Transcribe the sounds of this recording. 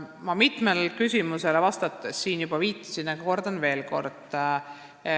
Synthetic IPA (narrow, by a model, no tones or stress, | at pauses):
mɑmit̪ˑmelkysʲimuse̞levɑst̪ɑt̪ˑːesːiːnjub̥ɑviːt̪ˑːi̥sinɑɡ̥ɑko̞rd̪ɑnve̞ːlko̞rd̪̥